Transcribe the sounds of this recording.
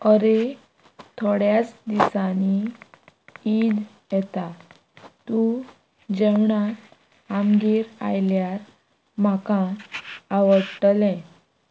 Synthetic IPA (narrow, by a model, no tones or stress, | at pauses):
əɾe | t̪ʰoɽjat͡sd̪isani | id̪ | jɛt̪a | t̪u | d͡ʑɛwɳa | amɡiːɾa̰jljaɾ | m̤akãː | ʋəʈlɛ̃